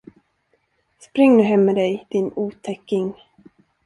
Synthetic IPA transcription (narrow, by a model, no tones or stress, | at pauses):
spɾɪŋːnʉ̟ːɦɛmːɛd̪ɛjd̪̥ɪnuːt̪ʰɛkːɪŋ